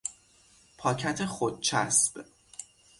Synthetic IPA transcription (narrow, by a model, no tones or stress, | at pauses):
pʰɒːcʰæt̪ʰexod̪̚t͡ʃʰæsb̥